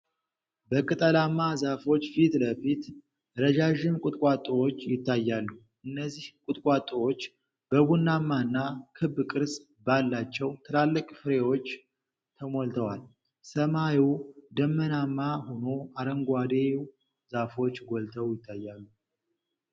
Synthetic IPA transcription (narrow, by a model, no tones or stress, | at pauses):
bəkʼɨt̪ʼəlamːazafo̞t͡ʃːfit̪ləfit̪ | ɾəd͡ʒaʒɪmkʼʊt̪ʼkʼat̪ʼːəwo̞t͡ʃːjɪt̪ʰːajːalːu | ʔɨnːəzːihkʼʊt̪ʼkʼat̪ʼowot͡ʃː | b̥əɡunːamːaɨnːakʰɨbːkʼɨɾs | balːat͡ʃːɛwt̪ʰɨlalːɨkʼfɨɾe̞wo̞t͡ʃː | t̪ʰəmolt̪ʰəwal | səmajid̪əmːənamːahonoaɾəŋɡʷad̪e | zafo̞t͡ʃːɡolt̪ʰəwjɪt̪ʰːajːalːu